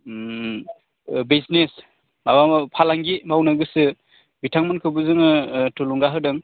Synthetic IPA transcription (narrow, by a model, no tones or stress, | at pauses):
biznes | mabampʰalaŋɡimawnɯɡɯsɯ | bitʰaŋmɯnkʰɯbɯzɯŋɯtuluŋɡaɦɯdɯŋ